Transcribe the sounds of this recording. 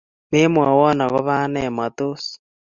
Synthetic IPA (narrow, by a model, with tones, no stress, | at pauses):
me˦mwa˨wɔ˦na˨ɣɔ˦βaː˦nɛ˨ma˨t̪osi̥